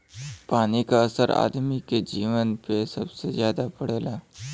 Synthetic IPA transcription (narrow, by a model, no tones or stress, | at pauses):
panikaəsəɾa̰d̪miked͡ʑiʋənpesəbsed͡ʑjad̪apəɽela